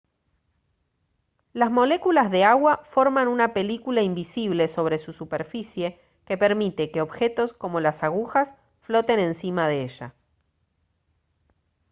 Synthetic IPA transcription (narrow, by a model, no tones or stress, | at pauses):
lazmo̞le̞kulazðeaɣwafo̞ɾmanunape̞likulaimbisiβ̞le̞so̞β̞ɾe̞susupe̞ɾfisje̞ | ke̞pe̞ɾmit̪e̞keo̞βxe̞t̪o̞sko̞mo̞lasaɣuxas | flo̞t̪e̞nẽ̞nsimaðeeʒa̰